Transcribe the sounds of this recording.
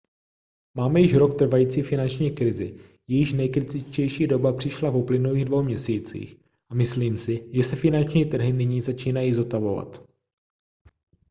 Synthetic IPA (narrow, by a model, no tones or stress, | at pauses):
maːmɛjɪʃɾo̞kt̪r̩vajiːt͡siːfɪnant͡ʃɲiːkɾɪzɪ̰ | jɛjɪʃnɛjkɾɪt̪ɪt͡ʃcɛjʃiːdo̞bapr̥ɪʃlavuplɪnuliːɣdvo̞wmɲɛsiːt͡sḭːx | ʔamɪsliːmsɪʒɛsɛfɪnant͡ʃɲiːt̪r̩ɦɪnɪɲiːzat͡ʃiːnajiːzo̞t̪avo̞va̰t̪